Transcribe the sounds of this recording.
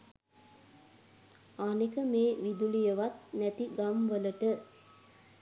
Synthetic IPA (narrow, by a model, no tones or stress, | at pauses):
anikəmeːʋid̪ulijəʋat̪̚næt̪iɡamʋələʈə